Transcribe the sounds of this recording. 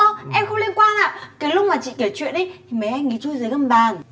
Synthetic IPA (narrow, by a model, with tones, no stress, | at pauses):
ɔ˧˩ʔɛ˧mxə˧wŋ͡mli˧ənkwaː˧nʔa̰ː˧˨kaː˨˦jlʊ˦˥k͡p̚maː˨˩t͡ɕḭ˧˨ke˧˩t͡ɕwḭ˧˨ənʔə˨˦jt̪ʰi˨˩ma˨˩jʔa˧jŋi˨˦t͡ɕu˧jzəː˨˦jkə˧mɓaː˨˩ŋ